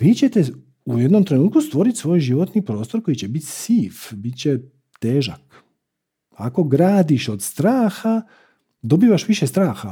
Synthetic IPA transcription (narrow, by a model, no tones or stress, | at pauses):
ʋiːt͡ɕet̪e̞ | uje̞d̪nomt̪ɾe̞nuːt̪̚kust̪ʋo̞ɾit̪ʲsʋo̞ːjʒiʋot̪nipɾo̞ːst̪o̞ɾko̞jit͡ɕe̞bit̪ʲsiːfbit̪t͡ɕe | t̪eːʒa̰k | ako̞ɡɾaːd̪iʃod̪st̪ɾaːxa | d̪o̞biːʋaʃʋiʃest̪ɾaːxa